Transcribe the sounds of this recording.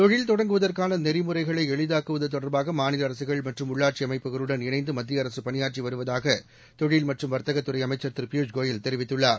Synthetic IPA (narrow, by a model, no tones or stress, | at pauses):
t̪ɔɻɪlt̪ɔɽɐŋɡɯʋɐðɐrkaːnɐnɛɾɪmɯrɐɪɣɐɭɐɪɛɭɪðaːkɯʋɐðɯt̪ɔɽɐɾbaːɣɐmaːnɪlɐːɾɐsɯɣɐɭmɐʈrɯmʊɭːaːʈ̚t͡ʃiɐmɐɪpːɯɣɐɭɯɽɐnɪnɐɪnd̪ɯmɐd̪ːɾɪɐɾɐsɯpɐnɪjaːʈt͡ʃiʋɐɾɯʋɐðaːɣɐ | t̪ɔɻɪlmɐʈrɯmʋɐɾt̪ɐɣɐt̪ːɯɾɐɪɐmɐɪt͡ʃːɐɾt̪ɪɾpuːd͡ʒɡoːjɪlt̪ɛɾɪʋɪt̪ːɯɭːaːɾ